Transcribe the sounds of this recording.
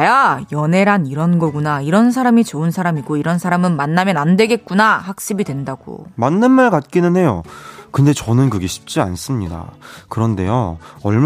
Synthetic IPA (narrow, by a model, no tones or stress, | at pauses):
jajʌne̞ɾaniɾʌnɡʌɡunaiɾʌns̬ʰaɾamit͡ɕoɯnsʰaɾamiɡoiɾʌnsʰaɾamɯnmanːamjʌnandwe̞ɡe̞t̚k͈unahak̚ɕ͈ibidwe̞ndaɡ̥o̰manːɯnmaɭkat̚k͈inɯnɦe̞jokɯnde̞t͡ɕʌnɯnkɯɡe̞ɕʰi̥p̚t͡ɕ͈ia̰ns͈ɯmɲida̰kɯɾʌnde̞̰joʌɭm